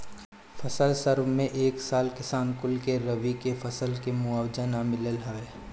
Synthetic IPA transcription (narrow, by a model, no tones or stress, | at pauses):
fʰɐsəlsəɾʋmẽʔeːksaːlkɪsaːnkʊlkeɾɐʋikefɐsəlkemʊaːwd͡ʒənamɪləlɦɐeː